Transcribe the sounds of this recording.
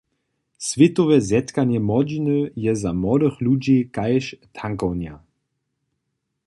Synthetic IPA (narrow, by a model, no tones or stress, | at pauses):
svʲɛt̪ɔvɛzɛt̪kaɲjɛmɔd͡ʑinəjɛzamɔd̪əxlud͡ʑikajʃt̪ʰaŋkɔwnja